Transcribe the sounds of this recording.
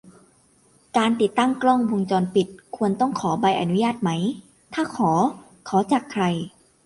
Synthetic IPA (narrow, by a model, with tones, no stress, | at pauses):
kaː˧nt̪i˨˩t̪ːa˥˩ŋklɔ˥˩ŋwo˧ŋt͡ɕɔː˧npi˨˩t̪̚kʰu˧ənt̪ɔ˥˩ŋkʰɔː˩˦ba˧jʔa̰˧nu˦˥jaː˥˩t̪̚ma˦˥j | t̪ʰaː˥˩kʰɔː˩˦ | kʰɔː˩˦t͡ɕaː˨˩kʰɾa˧j